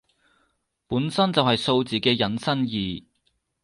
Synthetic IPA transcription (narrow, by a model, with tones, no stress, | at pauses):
puː˨˥nsɐ˥nt͡sɐ˨whɐ˨jso˧wt͡siː˨kɛː˧jɐ˨˥nsɐ˥njiː˨